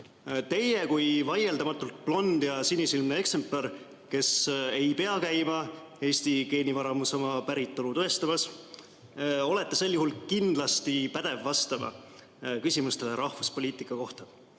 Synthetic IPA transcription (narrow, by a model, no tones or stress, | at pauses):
t̪e̞je̞kujvɑje̞ld̪ɑmɑt̪ːˑult̪̚plo̞nd̪̥jɑsinisilmnee̞kse̞mplɑɾ | ke̞se̞jpe̞ɑkæjmɑ | e̞ːst̪ike̞ːnivɑɾɑmuso̞mɑpæɾit̪ˑːo̞lut̪oest̪ɑmɑs | o̞le̞t̪ːˑe̞se̞lːjuɦulkind̪lɑst̪ipæd̪̥e̞vːɑst̪ɑmɑ̰ | kysʲimust̪e̞leɾɑhvuspo̞liːt̪ˑikːˑɑko̞ht̪ɑ